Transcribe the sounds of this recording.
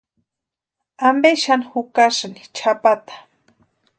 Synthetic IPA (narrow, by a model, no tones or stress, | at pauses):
ambeʃanhʊkaʂni̥t͡ʃʰapat̪ḁ